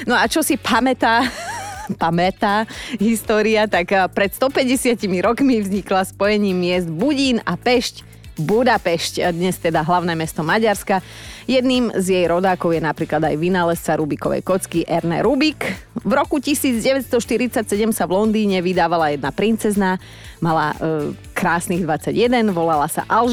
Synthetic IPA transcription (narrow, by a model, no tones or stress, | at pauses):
nɔat͡ʃɔsipʰamɛt̪aː | pamɛt̪aːɦist̪ɔːɾiat̪akpɾɛt̪st̪ɔpɛɟɛsɪacimiɾɔkmivzɲiklaspɔjɛɲiːmːɪɛzd̪buɟiːnapɛʃc | bud̪apɛʃcd̪ɲɛst̪ɛd̪aɦlaʊnɛːmɛst̪ɔmaɟaɾska | jɛd̪niːmzjɛjɾɔd̪aːkɔʊjɛnapɾiːklad̪ajʋinalɛst͡saɾubikɔʋɛ̰jkɔt͡skiʔɛɾnɛ̰ɾubikʋɾɔkucisiːd͡zɟɛʋɛt̪st̪ɔʃt̪iɾit͡sacsɛɟɛmsaʋlɔnd̪iːɲɛʋid̪aːʋalajɛd̪napɾint͡sɛzna | mala̰ | kɾaːsniɣd̪ʋat͡saɟjɛd̪ɛnʋɔlalasa̰ʔal